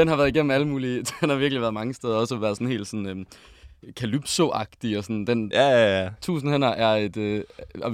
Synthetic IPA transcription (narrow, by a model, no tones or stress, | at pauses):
d̥enhɑ̈ʋæːɐðˠiɡem̰m̩n̩æləmuːlid̥enhɑ̈ʋiɐɡ̥liʋæɐð̩ˠmɑ̈ŋəsd̥eːðˠɐɒ̽səɒʋæɐð̞ˠsɔ̽nhe̝̰ːld̥sɒ̽n̩ø | kʰælyb̥so̝ʔɑ̈ɡ̥d̥iɒ̽sɒnd̥en | t͡sʰṵːsn̩hen̰ɐʔæɐe̝d̥øɒ